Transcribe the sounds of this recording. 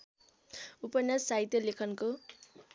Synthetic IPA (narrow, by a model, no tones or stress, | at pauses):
upʌnjasaɦit̪jʌlekʰʌnko